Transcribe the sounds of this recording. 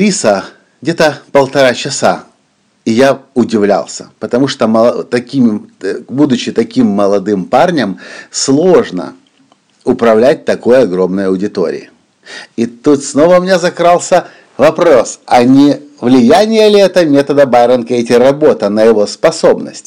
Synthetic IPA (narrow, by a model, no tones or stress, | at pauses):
ɾʲisə | ɡdʲe̞t̪əpəlˠt̪ɐɾat͡ɕɪsa | ɪjaʊdʲɪvlʲa̰lˠsʲə̥̰pət̪ɐmuʂt̪omˠt̪ɐkʲimbud̪ʊt͡ɕːɪt̪ɐkʲimːəlˠɐd̪ɨmparnʲəmslˠo̞ʐnə̰ | ʊpɾɐvlʲæt̚ʲt̪ɐko̞jɐɡɾo̞mnəjɐʊdʲɪt̪o̞̰ɾʲɪ̰ɪ | it̪ut̪sno̞vəmnʲezɐkɾɑlˠsʲə | vɐpɾo̞sɐnʲɪvlʲɪjænʲɪjəlʲɪɛt̪əmʲet̪əd̪əbajɾənkeɪtʲɪrɐbo̞t̪ənəjɪvo̞spɐso̞bnə̰sʲtʲ